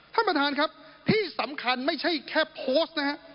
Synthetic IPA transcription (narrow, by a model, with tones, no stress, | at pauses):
t̪ʰa˥˩pɾt̪ʰaː˧nkʰɾa˦˥p̚ | t̪ʰiː˥˩sa˩˦mkʰa˧nma˥˩jt͡ɕʰa˥˩jkʰɛː˥˩pʰoː˦˥st̪̚n˦˥kʰa˦˥ʔ